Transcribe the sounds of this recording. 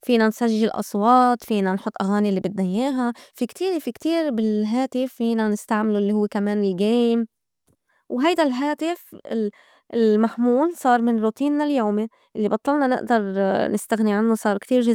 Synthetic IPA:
fiːnansaʒːɪlʔɑ̰sˤwɑːt̪fiːnanħʊt̪ˤːʔaɣaːniʔlːibɪd̪najːeːɦafikt̪iːɾfikt̪iːɾbɪlɦaːt̪ɪfːiːnanɪst̪aʕmɪluʔɪlːihʊwːekameːnɪlɡeːjm | wɦajd̪alɦaːt̪ɪfɪ | ɪlmaħmuːlsˤɑːɾˤmɪnɾut̪iːnːaljoːme | ʔɪlːibɑt̪ˤːɑlnɑnɪ̰ʔd̪ɑɾˤnɪst̪aɣniʕanːusˤɑːɾˤkt̪iːɾʒɪ

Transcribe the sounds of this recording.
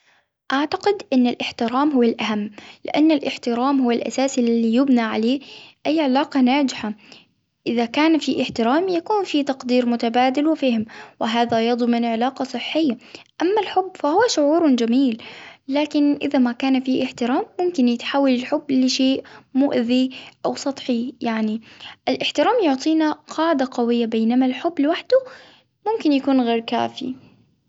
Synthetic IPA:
ʔaʕt̪aqɪd̪ʔɪnːalʔɪħt̪ɪɾaːmɦʊwːalʔaɦamːlɪ̰ʔanːalʔɪħt̪ɪɾaːmhʊwːalʔa̰saːsɪllijɪbnaʕaleːʔajːʕɪlaːqɑnaːd͡ʒɪħa | ʔɪðakaːnfiʔɪħt̪ɪɾaːmjakuːnfit̪ɑqd̪iːɾmʊt̪abaːd̪ɪlwɪfaːhmwɪɦaːðajɑd̪ˤmɪnʕɪlaːqɑsˤɨħːɪjːaʔamːalħʊbːfahʊwːaʃʊʕuːɾʊd͡ʒamiːlːaːkɪnʔɪ̰ðamakaːnfiːʔɪħt̪ɪɾaːmːʊmkɪnjɪt̪ħaːwːalɪlħʊbːlɪʃeːʔmʊʔðiʔawsˤɑt̪ˤħijaʕniʔɪlʔɪħt̪ɪɾaːmjʊʕt̪ˤiːnaqʰɑːʕɪd̪aqɑwɪjːabejnamalħʊbːlɪwaħd̪̥ʊ | mʊmkɪnjakuːnɣeːɾka̰ːfḭ

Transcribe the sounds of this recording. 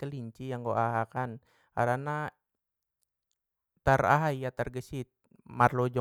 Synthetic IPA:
kəliɲt͡ʃijaŋɡoʔaɦakan | ka̰ɾana | t̪ara̰ɦaijat̪arɡəsit̪̚ | marlod͡ʒɔ

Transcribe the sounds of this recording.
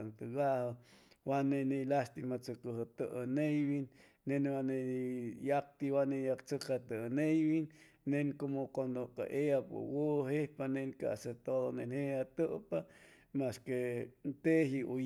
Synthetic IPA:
nt̪əɡahəwanenilast̪imat͡səkəɦət̪əʔənejβinː | enwaneijak̚t̪iwanejakt͡səkat̪ənejbinː | enkomokwand̪oka̰ʔejapə̰woɦehpanenka̰ʔset̪oðonenheat̪əʔpa | maskent̪eɦiʔu

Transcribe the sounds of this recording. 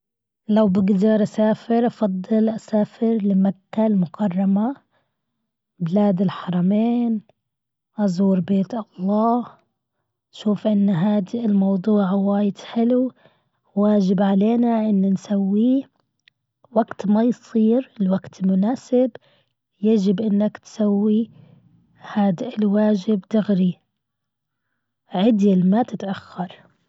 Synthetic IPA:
lawbɪɡd̪ɑɾˤʔasaːfɪɾʔɑfɑd̪ˤːɨlʔasaːfɪɾlɪmat̪ːalmʊkʰɑrˤːɑma | bɪlaːd̪ɪlħɑɾˤɑmeːn | ʔɑzˤuːɾbeːt̪ʔɑlˤːɑː | ʃuːfʔɪnːɦaːd̪ilmɑwd̪ˤuːʕwaːjɪd̪ħɪlu | waːd͡ʒɪbʕaleːnaʔɪnːnsawːi | waɡt̪majsˤiːɾɪlwaɡt̪lmʊnaːsɪb | jad͡ʒɪbʔɪnːakt̪sawːi | haːd̪ɪlwaːʒɪbt̪ɪɣɾi | ʕɪd̪jalmat̪ɪt̪ʔaxːɑɾˤ

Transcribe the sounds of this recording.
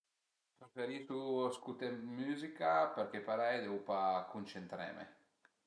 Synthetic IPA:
p̪ɾefeɾisuskut̪emyːzikapeɾkepaɾɛjd̪ɛupakunt͡ʃent̪ɾɛ̰mḛ

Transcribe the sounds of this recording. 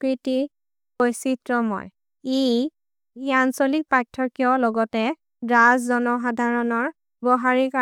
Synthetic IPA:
kɹiti | kojsitɹɔmɔ̰j | e | iansolik̚patʰːɔɹkiɔlɔɡɔtɛ | dazzɔnɔxadʱaɹɔnɔɹ | bɔɦaɹika

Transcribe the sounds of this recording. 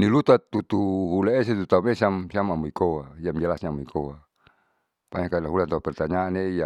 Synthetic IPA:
nilut̪at̪ut̪uɦulaeset̪ut̪aumesiamsiamamuikowaiamd͡ʒalasɲaamoikʰowa | paɲakailaɦulant̪aupɛrt̪aɲaːneija

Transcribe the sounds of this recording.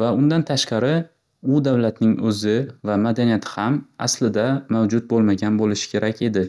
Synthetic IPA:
vaʊnd̪ant̪ʰaʃqɑɾɪ | ʊd̪avlat̪nɪŋɵzɪvamad̪anijat̪ʰɪ̥hama̰slɪd̪amawd͡ʒʊt̪̚bolˠmaɡʲanbolɪʃɪ̥kʲʰe̞ɾʔakʲʰe̞d̪ɪ

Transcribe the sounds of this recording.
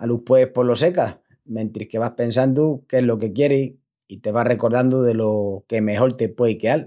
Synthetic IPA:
aluhpweehpo̞lo̞se̞kah | mẽ̞nt̪ɾihke̞β̞ahpe̞nsand̪ukeɦlo̞ke̞kje̞ɾi | it̪e̞βare̞ko̞ɾð̞and̪uðe̞lo̞ke̞me̞ɦoɾt̪epwe̞ikeal

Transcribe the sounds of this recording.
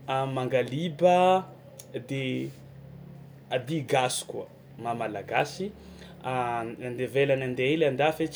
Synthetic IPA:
amaŋɡalibə | d̪e | ad̪iɡasu̥kuə | mamalaɡasi | aand̪evelanand̪eeland̪afet͡ʃ

